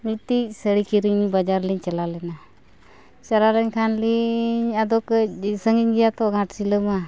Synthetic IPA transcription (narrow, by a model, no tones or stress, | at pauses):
mit̪isəɽikiɾiŋɲibad͡ʒaɾliɲt͡ʃalalɛna | t͡ʃaɾaləɲkʰanliɲad̪ɔkəsəŋiɲɡijat̪ɔɡãʈsiləma